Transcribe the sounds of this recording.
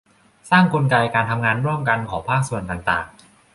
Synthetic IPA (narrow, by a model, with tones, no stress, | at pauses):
saː˥˩ŋkʰo˧nka˧jkaː˧nt̪ʰa˧mŋaː˧nɾu˥˩əmka˧nkʰɔː˩˦ŋpʰaː˥˩k̚su˨˩ənt̪a˨˩ŋt̪a̰ː˨˩ŋ